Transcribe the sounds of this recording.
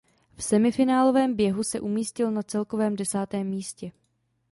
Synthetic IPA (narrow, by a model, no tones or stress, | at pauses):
fsɛmɪfɪnaːlo̞vɛːmbjɛɦusɛʔumiːscɪlnat͡sɛlko̞vɛːmdɛsaːt̪ɛːmːiːscɛ